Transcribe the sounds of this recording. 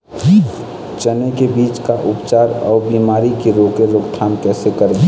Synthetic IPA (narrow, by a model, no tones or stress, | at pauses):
t͡ʃənekebiːt͡ʃkaʔʊpt͡ʃaːɾɔːbiːmaːɾikiɾoːkeɾʊkt̪ʰaːnkɛːsekəɾd͡ʒa